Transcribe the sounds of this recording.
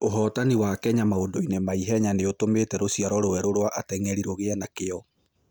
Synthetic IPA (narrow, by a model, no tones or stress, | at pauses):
oɦɔːtaniwakɛɲamaodoinemaiɦɛɲaneotometɛɾosiaɾɔɾowɛɾoɾwaʔatɛŋɛɾiɾoɣeanakeɔ